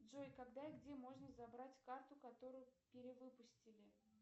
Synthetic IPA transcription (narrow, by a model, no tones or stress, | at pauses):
dʐojkɐɡd̪aɪɡdʲe̞mo̞ʐnəzɐbɾatʲkart̪ʊkɐt̪o̞ɾʊjʊpʲɪɾʲɪvɨpʊsʲtʲɪlʲɪ